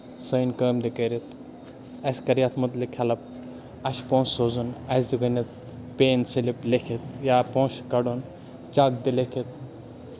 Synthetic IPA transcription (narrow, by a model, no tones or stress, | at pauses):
səjnkəːmd̪ikɐɾit̪ | ɐskɐɾijat̪ʰmɐt̪likʰɐlɐp̚ | ɐʃpõːsːoːzunɐsd̪iɡɐnɐt̪ | peːnseliplekʰit̪jaːpõːʃkɐɽon | d͡ʒaɡd̪ilekʰit̪̚